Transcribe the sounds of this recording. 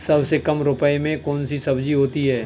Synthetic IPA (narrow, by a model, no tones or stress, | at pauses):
sɐbsekɐmɾʊpəimẽkɔːnsisɐbd͡ʒiɦoːt̪iɦɛː